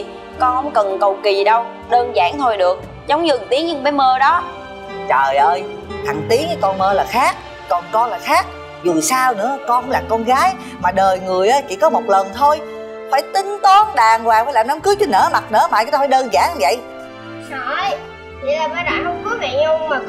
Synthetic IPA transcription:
kɔ˧nhə̰˧˦wŋ͡mkə˨˩nkə˨˩wki˨˩ɗə˧w | ɗəː˧nza̰ː˧˩ŋt̪ʰo˧jɗɨ˨˩ək̚ | zə˨˦wŋ͡mzɨ˨˩ŋt̪i˨˦əŋɲɨ˧ŋɓə˨˦jməː˧ɗɔ˨˦ | t͡ɕəː˨˩jʔəː˧j | t̪ʰa˨˩ŋ̟t̪i˨˦n˨˦kɔ˧nməː˧laː˨˩xaː˦˥k̚ː | kɔ˨˩nkɔ˧laː˨˩xaː˦˥k̚ | zu˨˩saː˧wnɨ̰˧˥əkɔ˧˦ŋ͡mlaː˨˩kɔ˧nɣaː˨˦j | maː˨˩ɗəː˨˩jŋɨ˨˩əjʔəː˧˦jkḭ˧˩˥kɔ˨˦mo˨˩t̚lə˨˩nt̪ʰo˧j | faː˧˩jt̪ï˨˦ŋ̟t̪ɔ˨˦nɗaː˨˩ŋkwaː˨˩ŋfaː˧˥jlaː˨˩mna˨˦mkɨ˦əkt͡ɕ̪ɨ˨˧˦nə̰ː˧˥˦ma˨˩t̚nə̰ː˧˥˦ma̰ː˧˨jt̪ːaː˧˩aː˧˩jɗəː˧nza̰ː˧˥ŋvə̰˧˨j | sɔ˧˩j | i˨˧˨laː˨˩ɓaː˨˦ɗaː˧˨˩hə˧wŋ͡mkɔ˨˦vɛ̰˧˨ɲo˧ma˨˩

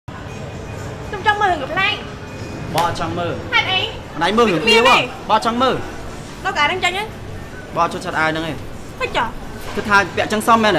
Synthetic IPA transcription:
so˧mt͡ɕɑ˧ŋməː˧hɦəkə˩pʰlaː˧ŋ | ɓɑː˧ʔt͡ɕɑ˧ŋməː˧ha˧t̪ʔə˧j | mə˨nʔa˧jməː˧hɨ˩əŋmi˧əʋɔ˧ | ɓɑː˧t͡ɕɑ˧ŋməː˧ | kɔː˧kːʔaː˨˩nə˧ŋt͡ɕə˧ŋʔə˧ | ɓɑː˧˨t͡ɕu˧ət͡ɕʰət̪ʔaənɨ˧ŋeː˧ | pɨt̚c̚t͡ɕɑ˧˩ | kɨt̪̚ʰːaː˧pɛ̆˧əʔt͡ɕə˧ŋsɑ˧mːɛː˧n

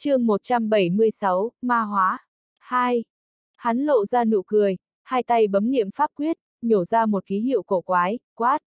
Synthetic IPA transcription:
t͡ɕɨ˧əŋmo˨˩t̚t͡ɕa˧mɓə˧˩jmɨ˧əjsa˨˦wmaː˧ɦwaː˨˦ | haː˧j | ha˨˦nlo̰˧˨zaː˧nṵ˧˨kɨ˨˩əj | haː˧jt̪a˧jɓə˨˦mnḭ˧˨əmfaː˦˥p̚kwi˦˥ət̚ɲo˧˩zaː˧mo˨˩t̚xi˨˦hḭ˧˨əwko˧˩kwaː˨˦jkwaː˦˥t̚

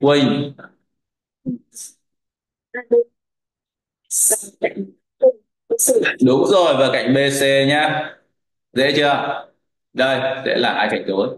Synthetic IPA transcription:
kwï˧˩ŋ˨˩˧ | ka̰˧˨jŋ˧˦˧ | ɗʊ˨˦ŋ͡mzo˨˩jvaː˨˩ka̰˧˩˨jŋ̟ɓe˧se˧ɲaː˧ | zḛ˧˥t͡ɕəː˧˩ə˨˩ | zə˧˩jzḛ˧˥laː˨˩ʔaː˧jt͡ɕa˧˩jŋt̪o˨˦t

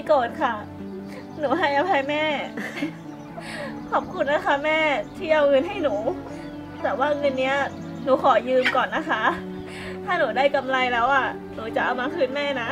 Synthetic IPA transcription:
jkoː˨˩t̪̚kʰa˥˩ | nuː˩˦ɦa˥˩jʔa˧pʰa˧jmɛː˥˩ | kʰɔː˨˩p̚kʰu˧nːa˦˥kʰa˦˥mɛː˥˩t̪ʰiː˥˩ʔa˧wŋɤ˧nɦa˥˩jnuː˩˦ | t̪ɛː˨˩waː˥˩ŋɤ˧nːi˦˥ɐ | nuː˨˩˦kʰɔː˨˩˦jɯː˧mkɔː˨˩nːa˦˥kʰa˦˥ | t̪ʰaː˥˩nuː˩˦daː˥˩jka˧mla˧jlɛː˦˥wʔa˨˩ | nuː˩˦t͡ɕa˨˩ʔ̚a˧wmaː˧kʰɯː˦˥˨nmɛː˥˩na˦˥ʔ

